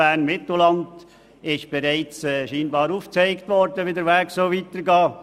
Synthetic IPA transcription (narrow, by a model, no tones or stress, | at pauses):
æːnmɪtl̩lɑnd | ɪʃb̥ɛɾaɪt͡sɛːʃiːnbɑːɾuːft͡sɛɪktʋɔɾdəʋiːdəɾʋæːksoʋitəɾɡɑː